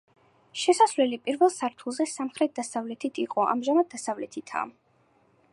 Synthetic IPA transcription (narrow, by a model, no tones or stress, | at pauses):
ʃɛsasvlɛlipʼiɾvɛlˠsaɾt̪ʰulˠzɛsamχɾɛt̪̚d̪asavlɛt̪ʰit̪ʰiqʼɔʔa̰mʒamad̪̚d̪asavlɛt̪ʰit̪ʰa̰